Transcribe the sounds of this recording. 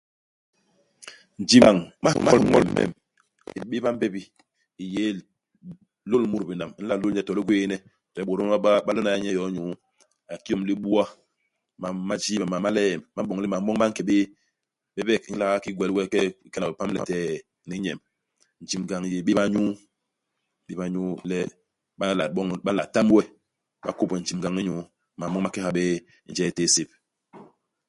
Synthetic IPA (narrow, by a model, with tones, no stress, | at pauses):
n̩˨d͡ʒi˨ma˨ŋ˦ma˦ŋɔ̰˦lm̩˨mɛ̰˨m | i˨ɓe˦ba˦m˦bɛ˦bi˦ | i˨je˨˦ | lo˦lmu˦ɾbi˨na˨m˦n̩˦la˦˨lo˦lɲɛ˦tɔ˨li˦ɡwe˦nɛ˦˨ | tɛ˦ɓo˨ɾo˦ɓa˦lo˦na˨ja˦ɲɛ˦jɔ˨˦ɲu˨˦ | a˨ki˦ɔ˦˨mli˦ɓu˦a˦ | ma˨ma˦d͡ʒi˦ba˨ma˨ma˦lɛ˦ɛ˨mma˦ɓɔ˨ŋ˦li˦ma˨m˦ɓɔ˦ŋma˦ŋ̩˦kɛ˨ɓe˦ | bɛ˦bɛ˦˨k̩˦la˦a˦ki˦ɡwɛ˨lwɛ˦kɛ˦kɛ˦na˨be˨pa˦mlɛ̰˨tɛ˦˨ | ni˨˦ɲɛ˨m | n̩˨d͡ʒi˨mɡa˨ŋ˨je˨ɓe˦ɓa˦ɲu˦ | ɓe˦ba˦ɲu˦lɛ˦ | ɓa˦la˨ɓɔ˦ŋɓa˦la˨ta˦m˦wɛ˦ | ɓa̰˦ko˦˨pɛ˨n̩˨d͡ʒi˨mɡa˨ŋi˦ɲu˨˦ | ma˨ɔ˦ŋ˦a˦kɛ˦ha˨be˦ | n̩˨d͡ʒɛ˦˨teː˦se˨p̚